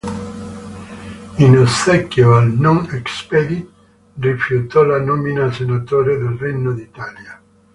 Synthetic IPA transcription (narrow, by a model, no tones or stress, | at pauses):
inosɛkːjoalnɔnɛkspɛd̪it̪ | rifjut̪ɔlanominasenat̪oːɾed̪elrenːod̪it̪aːlja